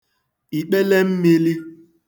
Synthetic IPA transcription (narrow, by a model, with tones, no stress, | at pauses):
i˨k͡pe˦le˦m̩˦mi˦li˦